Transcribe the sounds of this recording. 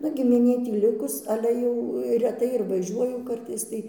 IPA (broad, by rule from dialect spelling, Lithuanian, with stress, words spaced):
ˈnʊ ɡʲɪmʲɪˈnʲeː ˈtʲiː ˈlʲɪkʊs ˈɑːlʲɛ jɛʊ rʲɛˈtɐɪ ɪr ʋɐˈʒʲuɔjʊ ˈkɐrtɐɪs tɐɪ